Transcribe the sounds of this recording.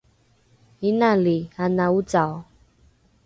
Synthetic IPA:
inalianaut͡sa

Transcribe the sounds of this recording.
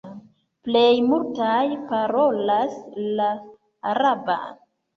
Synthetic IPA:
plejmultajpaɾo̞laslaː | ɾaba̰

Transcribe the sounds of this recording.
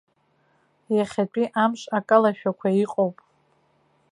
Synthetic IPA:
jaχʲat͡pʷʼiʔamʃʼakʼalaʃᶣakʷʰaiqʼowpʼ

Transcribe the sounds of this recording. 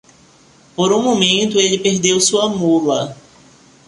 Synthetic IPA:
poɾũmõmẽnt̪ʊelɪpeɾd̪ewsuɐmulɐ

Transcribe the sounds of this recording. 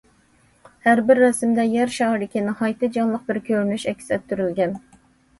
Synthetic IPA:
hæɾbɪɾːɛsɪmd̪ɛjɛɾʃɑɦɾɪkʲinɪhɑjt̪ɨd͡ʒɑnlˠəq̚bɪɾkʲʰøɾnyʃɛkʲsɛt̪̚ʰːyɾylɡʲɛn

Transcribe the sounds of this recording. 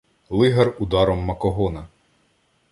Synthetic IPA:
lˠɪɦɐrud̪ɑɾɔmːɐkɔɦɔnɐ

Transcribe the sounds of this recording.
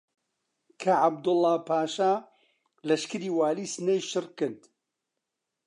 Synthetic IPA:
kʰɐʕab̚d̪ʊlːaːpʰaːʃaː | lɐʃkɨɾiːwaːliːsnejʃɨrkɨnt̪

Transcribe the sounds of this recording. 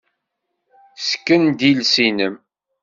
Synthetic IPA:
skːənd̪ilsinəm

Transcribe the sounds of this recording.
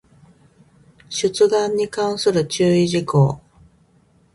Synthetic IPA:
ɕɨt͡sɨd̪ãɲ̟ːikãɰ̃sɨɾɯ̟t͡ɕɨːiʑikoː

